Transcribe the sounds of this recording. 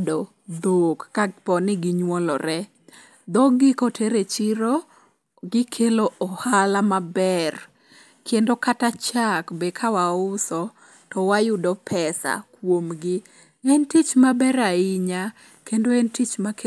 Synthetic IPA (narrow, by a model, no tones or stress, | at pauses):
dɔ | d̪okːapɔnɪɡɪɲwɔlɔ̰ɾɛ | d̪ɔɡɪkɔtʰeɾet͡ʃiɾo | ɡɪkʰeloɔhalamabɛr | kʰendokatat͡ʃakbekʰawaʊsɔ | tɔwajʊdɔpʰɛsa̰kwomɡɪ | ɛntit͡ʃmabɛɾaiɲa | kendoɛntit͡ʃmak